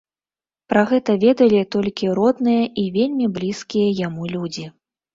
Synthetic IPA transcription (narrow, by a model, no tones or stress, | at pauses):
pɾaɣɛt̪ɐvʲɛd̪ɐlʲit̪ɔlʲkʲiɾɔd̪nɨjɐʔivʲelʲmʲiblʲiskʲijɐjamulʲud͡zʲi